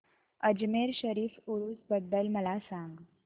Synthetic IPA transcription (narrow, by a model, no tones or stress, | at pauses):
əd͡ʑmeɾɕəɾiːfuɾuːsbəd̪ːəlməlasãŋɡ